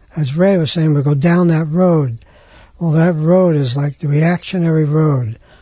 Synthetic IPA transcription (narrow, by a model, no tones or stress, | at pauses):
ɨzɹeɪwʌz̥seɪɪ̃ŋwilˠɡoʊdãʊ̃nðɨt̚ɹoʊd̚ | wɛlˠðɨt̚ɹoʊɾɨzlaɪk̚ðɨɹiækʃɨnɛɹiɹoʊd̥